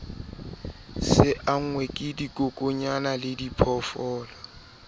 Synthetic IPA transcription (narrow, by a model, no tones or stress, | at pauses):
sɪʔaŋ̩wɛkʼɪdikʼʊkʼʊɲanalɪdipʰɔfɔːlɔ